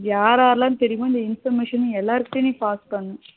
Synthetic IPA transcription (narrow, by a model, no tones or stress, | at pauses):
jaːɾaːɾlãːnt̪ɛɾɪjmõːɪnd̪ɐɪnfɐɾmeːʂɐnɯ̃ɛlːaːɾɯkːɯt̪eːnipaːsʈ̚pɐɳːɯ̃